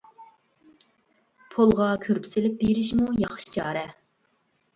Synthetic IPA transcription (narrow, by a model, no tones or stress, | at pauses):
pʰolˠʁɑkʲʰøɾpʰɪ̥sɪlɪp̚beɾɪʃmujɑχʃt͡ʃʰɑːɾɛ